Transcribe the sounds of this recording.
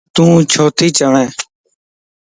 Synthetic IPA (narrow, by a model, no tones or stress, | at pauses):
t̪ũːt͡ʃʰoːt̪ʰiːt͡ʃəʋẽː